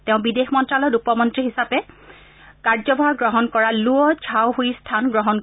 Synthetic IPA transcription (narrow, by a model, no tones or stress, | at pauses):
tɛʊ̃bidexmɔntɹalɔtupɔmɔntɹiɦisapɛ | kaɹzɔbʱaɹɡɹɔɦɔnkɔɹaluɔd͡ʒʰʱawɦoistʰanɡɹɔɦɔn